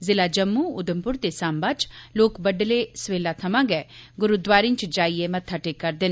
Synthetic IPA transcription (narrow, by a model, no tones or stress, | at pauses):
zɪlaːd͡ʒəmːuːʊd̪əmpʊɾd̪eːsaːmbaːt͡ʃloːkbəɖleːsʋeːlaːt̪ʰəmãːɡɛːɡʊɾud̪ʋaːɾiɲt͡ʃd͡ʒaːieːmət̪ʰːaːʈeːkːəɾd̪eːnː